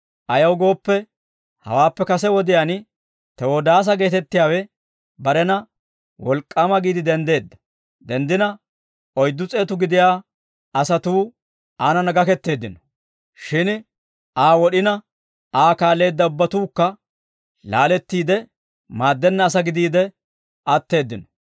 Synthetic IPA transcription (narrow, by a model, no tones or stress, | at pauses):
ʔɐjɐwɡo̞ːpːɛ | hɐ̰waːpːɛkɐsɛwɔd̪ɪjan | t̪ɛwod̪aːs̬ɐɡe̞ːt̪ɛt̪ːɪjaːwɛ | bɐɾɛnɐ | wɔlkʼːaːmɐɡiːd̪ɪd̪ɛnd̪e̞ːd̪ːɐ̥ | d̪ɛnd̪ɪnɐ | ɔjd̪ːʊt͡sʼe̞ːt̪ʊɡɪd̪ɪjaː | ɐsɐt̪uː | aːnɐnɐɡɐkɛt̪ːe̞ːd̪ːɪnɔ̥ | ʃɪn | aːwɔɗɪnɐ | aːkaːlːe̞ːd̪ːɐʊbːɐt̪uːkːɐ | laːlɛt̪ːiːd̪ɛ | maːd̪ːɛnːɐːs̬ɐɡɪd̪iːd̪ɛ | ɐt̪ːe̞ːd̪ːɪnɔ̥